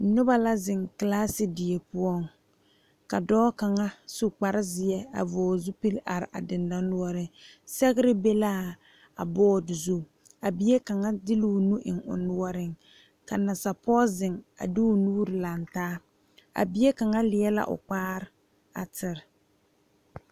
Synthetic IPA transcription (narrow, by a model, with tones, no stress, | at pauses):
nʊ˦ba˦la˦zɪ˨ŋklaː˦sɪ˨dɪ˨e˨pʊ˦ɔ˦˨ŋ | ka˨dɔː˦ka˨ŋa˦su˦k͡pa˨ɾɪ˦zɪ˨ɛ˦a̰˨vɔː˨zu˦pi˦la˨ɾɪ˨ʔa̰˨dɪ˨nda˦nu˦ɔ˦ɾɪ˦ | sɛ˦ɣɪ˦ɾɪ˦be˦la˦ | a̰˨bɔː˦˨dɪ˨zu˦ | a˨bi˨˦e˦ka˨ŋa˦dɪ˦lu˦˨nu˦ʔɪ̰˨ŋʊ̰˨nʊ˦ɔ˦ɾɪ˦ŋ | ka˨na˨sa˨pʰɔː˦zɪ˨ŋa̰˨dɪ˦ʊ˨nuː˦ɾɪ˨la˨ntaː˦ | a̰˨bi˦e˦ka˨ŋa˦lɪ˨ɛ˦la̰˦ʔʊ̰˨k͡paː˦ɾɪ˦ | a̰˨tɪ˨ɾ